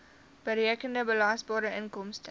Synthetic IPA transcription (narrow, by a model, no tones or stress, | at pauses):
b̥əɾjəəkəndəbəlaːsbɑːɾəʔənkɔmst